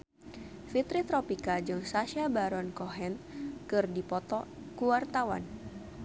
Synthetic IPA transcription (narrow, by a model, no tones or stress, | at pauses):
fit̪ɾit̪ɾɔpikad͡ʒɨŋsaʃabaɾɔnkɔɦɛnkɨrdipɔt̪ɔkuwart̪awa̰n